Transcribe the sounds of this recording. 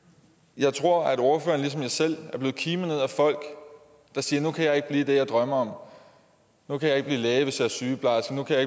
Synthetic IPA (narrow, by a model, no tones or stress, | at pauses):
jɑ̈ɪt͡sʰʁo̝ɐ̰æd̥o̝ɐfø̰ːɐn̩lis̬ɒ̽mjɑɪsel̰æɐble̝ːð̩ˠkʰiːməneð̰ˠæfɒ̽l̰ɡ̥ | d̥ɑ̈siːɐnukʰæjɑe̝ɡ̥̚b̥liːd̥e̝jɑ̈ɪd̥ʁɶmɐɒ̽m | nukʰæjɑ̈e̝ɡ̥bliːlɛːʋe̝sjɑ̈æɐsyːpʰlɑsɡ̥ənukʰæjɑ̈eɡ̥